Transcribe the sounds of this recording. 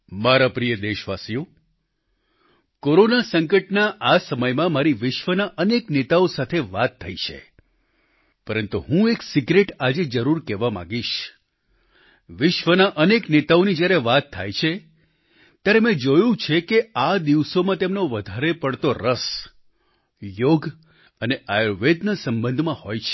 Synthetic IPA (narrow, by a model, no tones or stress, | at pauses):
maɾapɾijəd̪eʃʋasijo | koɾonasə̃ŋkəʈnaʔasəməjmãmaɾiʋɪʃʋənaʔəneknet̪aosat̪ʰeʋat̪ʰːə̰jt͡ʃʰḛ | pəɾənt̪uɦũeksiɡɾeʈad͡ʒed͡ʒəɾuɾkɛʋamã̰ɡiʃ | ʋɪʃʋənaʔəneknet̪aonid͡ʒjaɾeʋat̪ʰːa̰jt͡ʃʰe | t̪jaɾemɛ̃d͡ʒojũt͡ʃʰekead̪iʋsomãt̪emnoʋəd̪ʱaɾepəɽt̪oɾəs | joɡ | əneʔajoʋed̪nəsəmbənd̪ʱmãhojt͡ʃʰe̥